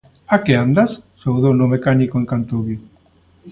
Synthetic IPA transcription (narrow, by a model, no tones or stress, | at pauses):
akeand̪assowðownomekanikoeŋkant̪oβi